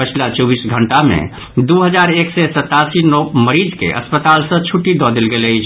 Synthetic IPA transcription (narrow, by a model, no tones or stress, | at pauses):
pət͡ʃʰlat͡ʃɔbisɡʱəɳʈamḛ̃ | d̪uɦəd͡ʒaɾeksɛsət̪ːasinɔməɾid͡ʒkḛʔə̰spət̪alsə̃t͡ʃʰuʈːid̪ɔd̪elɡeləjt͡ʃʰ